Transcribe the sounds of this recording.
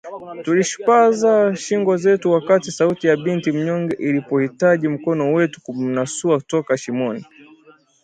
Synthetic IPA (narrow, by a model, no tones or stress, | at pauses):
tuliʃi̥pazaʃiŋɡɔzɛtuwakatisautijaɓintim̩ɲɔŋɡɛʔilipɔhitaʄim̩kɔnɔwɛtu̥kum̩nasuautɔkaʃimɔni